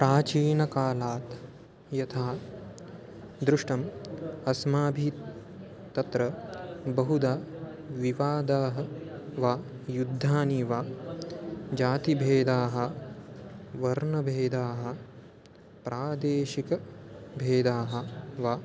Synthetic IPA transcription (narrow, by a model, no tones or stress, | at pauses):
pɾaːt͡ʃiːnɐkaːlaːt̪ | jɐt̪ʰaː | d̪ɾuʂʈɐmɐsmaːbʱit̪ː | ɐt̪ɾɐbɐɦud̪aː | ʋiʋaːd̪aːɦɐʋaː | jud̪ʱːaːniʋaː | d͡ʒaːt̪ibʱeːd̪aːɦɐ̆ | ʋɐɾɳɐbʱeːd̪aːɦɐ̆ | pɾaːd̪eːʃikɐbʱeːd̪aːɦɐ̆ʋaː